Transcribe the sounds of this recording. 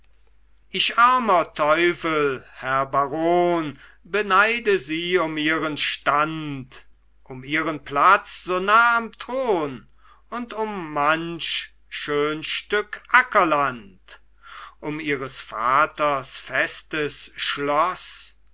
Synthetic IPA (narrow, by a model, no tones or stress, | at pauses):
ʔɪʃaɐmɐtʰɔʏfəlhɛɐbaʁoːn | bənaɪdəziːʊmiːʁənʃtant | ʔʊmiːʁənplat͡sz̥oːnaːamtʁ̥oːn | ʊntʊmːanʃ | ʃøːnʃtʏkʔakɐlant | ʔʊmiːʁəsfaːtɐsfɛstəsʃlɔs